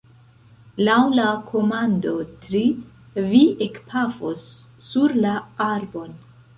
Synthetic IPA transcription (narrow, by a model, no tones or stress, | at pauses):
lawlakʰo̞mando̞tɾi | viekpʰafosː | uɾlaaɾbo̞n